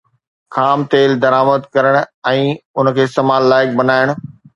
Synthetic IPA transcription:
xʰaːmt̪eːld̪ɐɾaːməd̪kɐɾəɽ̃ɛ̃ːʊn̆kʰeːst̪emaːlːaːɪk̚bɐnaːɪɽ̃ʊ̆

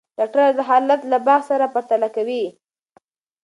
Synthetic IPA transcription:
d̪aʈad̪əɦɑlat̪labɑɣsaɾapaɾt̪alakawi

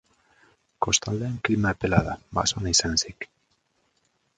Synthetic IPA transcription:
ko̞st̪ald̪eeŋklimaːpelaðaba̰sonaisansik

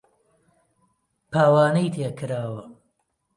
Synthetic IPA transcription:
pʰaːwaːnɐjt̪ʰeːkʰɨɾaːwɐ

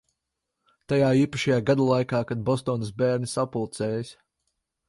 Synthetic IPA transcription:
t̪ajaːiːpaʃajaːɡad̪alˠajkaːkad̪̚bɔst̪ɔːnsbʲæːɾnʲisapulˠt̪sɛːjsʲ

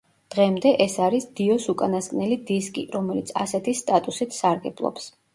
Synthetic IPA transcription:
d̪̥ʁɛmd̪ɛʔɛsaɾisd̪̥iɔsukʼanaskʼnɛlid̪iskʼḭɾɔmɛlḭt̪sʰa̰sɛt̪ʰist̪ʼat̪ʼusit̪ʰsaɾɡɛblˠɔ̰ps

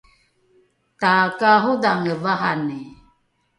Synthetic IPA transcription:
t̪akaɦodaŋəvaɦane

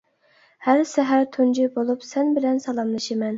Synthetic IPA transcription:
hæɾsɛɦæɾt̪ʰund͡ʒibolˠupsɛnbɪlɛnsɑlˠɑmlˠɨʃɪmɛn

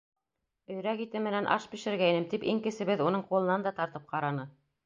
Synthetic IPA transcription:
ɵ̆jɾækit̪ɘmɘ̆nænʔɑ̰ʃpiʃɘ̆ɾɡæjnɘmt̪ipiŋkɘ̆sɘ̆βɘðunɤɴqulˠɤ̆nɑnd̪ɑt̪ɑɾt̪ɤp̚qɑɾɑnɤ

